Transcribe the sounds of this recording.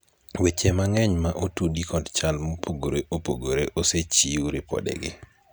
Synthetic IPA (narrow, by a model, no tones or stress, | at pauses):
wet͡ʃemaŋɛɲmaʔotudikʰɔdt͡ʃalmopʰoɡoɾeʔopoɡoɾeʔoset͡ʃiuɾɪpɔ̰dɛ̰ɡɪ